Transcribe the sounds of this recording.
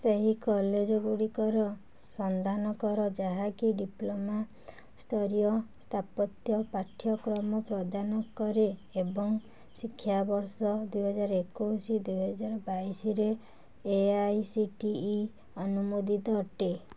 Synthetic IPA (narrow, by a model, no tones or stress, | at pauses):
seɦikɔled͡ʒɔɡuɽikɔɾɔ | sɔnd̪anɔkɔɾɔd͡ʒaɦakiɖiploma | st̪ʰɔɾijɔst̪ʰapɔt̪jɔpaʈʰːjɔkɾɔmɔpɾɔd̪anɔkɔɾeːbɔŋ | sikʰːjabɔɾsɔd̪ujɦɔd͡ʒaɾɔekosid̪ujɦɔd͡ʒaɾɔbaisiɾeː | ajsiʈiː | ɔnumod̪ʱit̪ɔʈe